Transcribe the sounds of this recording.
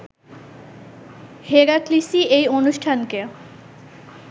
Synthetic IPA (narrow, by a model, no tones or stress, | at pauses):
heɾaklisiejonuʃʈʰanke